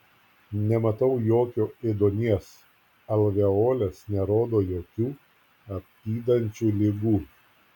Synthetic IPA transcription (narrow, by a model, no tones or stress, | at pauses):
nʲɛmɐt̪ɐʊjoːkʲoːed̪oːnʲiɛs | ɐlʲˠʋʲɛoːlʲɛsnʲɛɾoːd̪oːjoːkʲuː | ɐp̚ʲt̪ʲiːd̪ɐnʲt͡ʃʲuːlʲɪɡuː